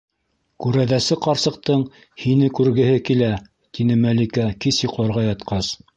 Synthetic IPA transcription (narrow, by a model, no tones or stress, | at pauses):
kʉɾæðæsɘqɑɾsɤ̆q̚t̪ɤɴ | hinɘkʉɾɡɘ̆hɘkilæ | t̪inɘmælikækisjɤqlɑɾʁɑjɑt̪qɑs